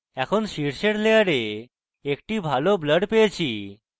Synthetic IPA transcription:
ɛkʰonʃiɾseɽlejaɽe | ek̚ʈibʱalobləɖpejet͡ɕʰi

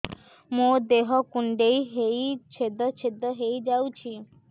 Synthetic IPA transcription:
mod̪eɦɔkuɳɖejɦejt͡ʃʰed̪ɔt͡ʃʰed̪ɔɦejd͡ʒawt͡ʃʰi

